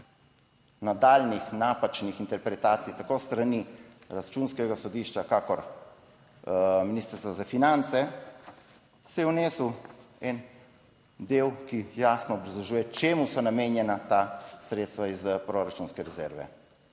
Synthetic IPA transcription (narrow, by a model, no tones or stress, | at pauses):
nad̪aːlnixnapat͡ʃnixint̪ɛɾpɾɛt̪aːt̪sijt̪akost̪ɾani | ɾat͡ʃunskɛɡasɔd̪iːʃt͡ʃakakɔɾ | miniːst̪əɾst̪ʋazafinant̪sɛ | sɛjɛwneːsuɛn | d̪eːwkijaːsnɔːbɾazlɔʒuːjɛkt͡ʃeːmusɔnameːnjɛnat̪asɾeːt̪st̪ʋaizpɾoɾat͡ʃunskɛɾɛzɛːɾʋɛ̰